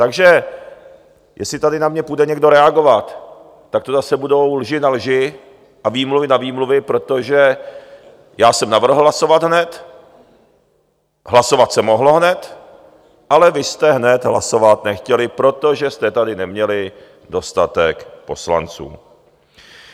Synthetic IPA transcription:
t̪aɡʒɛ | jʔɛslɪt̪adɪnamɲɛpudɛɲɛɡdo̞ɾɛaɡo̞vat̪ː | ak̚t̪ozasɛbudo̞wlʒɪnalʒɪ | ʔaviːmluvɪnaviːmluvɪpɾo̞t̪o̞ʒɛ | jaːsɛmnavr̩ɦl̩laso̞vad̪ɦnɛt̪ | ɦlaso̞vat̪sɛmoɦlo̞ɦnɛt̪ | ʔalɛvɪst̪ɛɦnɛt̪ɦla̰so̞vat̪nɛxcɛlɪpɾo̞t̪o̞ʒɛst̪ɛt̪adɪnɛmɲɛlɪ | do̞st̪at̪ɛkpo̞sla̰nt͡sṵː

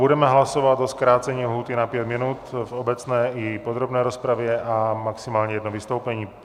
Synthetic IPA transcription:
budɛmɛɦlasovat̪oskɾaːt͡sɛɲiːɦuːt̪inapjɛt̪minut̪vobɛt͡snɛːipod̪ɾobnɛːɾospɾavjɛʔamaksimaːlɲɛjɛd̪novist̪owpɛɲiː

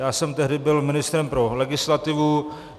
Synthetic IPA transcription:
jaːsɛmt̪ɛɦdɪbɪlmɪnɪst̪ɾɛmpɾolɛɡɪslat̪ɪvu

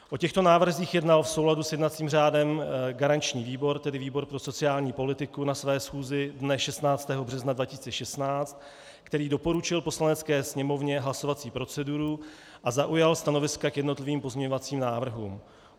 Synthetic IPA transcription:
ʔo̞cɛxt̪o̞naːvr̩ziːxjɛdnalfso̞wladusjɛdnat͡siːmr̝aːdɛmɡaɾant͡ʃɲiːviːbo̞ɾt̪ɛdɪviːbo̞ɾpɾo̞so̞t͡sɪaːlɲiːpo̞lɪt̪ɪkunasvɛːsxuːzɪdnɛʃɛst̪naːt͡st̪ɛːɦo̞br̝ɛznadvacɪ̥siːt͡sɛʃɛst̪naːt͡st̪ | kt̪ɛɾiːdo̞po̞ɾut͡ʃɪlpo̞slanɛt͡skɛːsɲɛmo̞vɲɛɦlaso̞vat͡siːpɾo̞t͡sɛduɾu | ʔazaʔujalst̪ano̞vɪskakjɛdno̞t̪lɪviːmpo̞zmɲɛɲo̞vat͡siːmnaːvr̩ɦṵːm

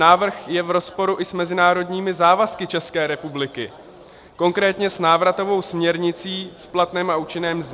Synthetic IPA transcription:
aːvr̩xjɛvɾo̞spo̞ɾuʔɪsmɛzɪnaːɾo̞dɲiːmɪzaːvaskɪt͡ʃɛskɛːɾɛpublɪkɪ | ko̞ŋkɾɛːt̪ɲɛsnaːvɾat̪o̞vo̞wsmɲɛɾɲɪt͡siːfplat̪nɛːmauːt͡ʃɪnɛːmz

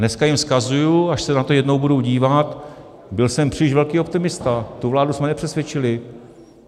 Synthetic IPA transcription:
nɛskajɪmskazujuaʃsɛnat̪o̞jɛdno̞wbuduwɟiːvat̪ | bɪlsɛmpr̝̥iːlɪʃvɛlkiːo̞pt̪ɪmɪst̪at̪uvlaːdusmɛnɛpr̥ɛsvjɛt͡ʃɪlɪ

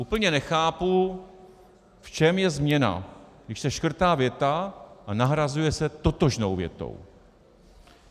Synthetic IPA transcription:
ʔuːpl̩ɲɛnɛxaːpu | ft͡ʃɛmjɛzmɲɛna̰ɡdɪʃsɛʃkr̩t̪aːvjɛt̪aʔanaɦɾazujɛsɛt̪o̞t̪o̞ʒnowvjɛ̰t̪o̰w

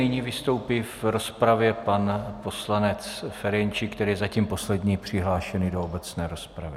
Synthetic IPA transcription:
nɪɲiːvɪst̪o̞wpifɾo̞spɾavjɛpanpo̞slanɛt͡sfɛɾɛɲt͡ʃikt̪ɛɾiːjɛzaciːmpo̞slɛd̪ɲiːpr̝̥ɪɦlaːʃɛnɪdoobɛt͡snɛːɾo̞spɾavɪ

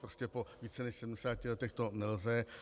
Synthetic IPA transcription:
pɾoscɛpo̞viːt͡sɛnɛʃsɛdm̩dɛsaːcɪlɛt̪ɛxt̪o̞nɛlzɛ

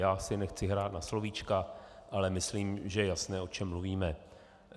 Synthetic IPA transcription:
jaːsɪnɛxt͡sɪɦɾaːt̪naslovit͡ʃkaʔalɛmɪsliːmʒɛjɛjasnɛːo̞t͡ʃɛmːluviːmɛ

